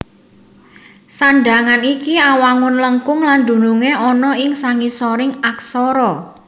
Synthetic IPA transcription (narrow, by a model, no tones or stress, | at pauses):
sanɖaŋanikiawaŋʊnləŋkʊŋland̪̥ṳnuŋeɔnɔɪŋsaŋisɔɾɪŋaksɔɾɔ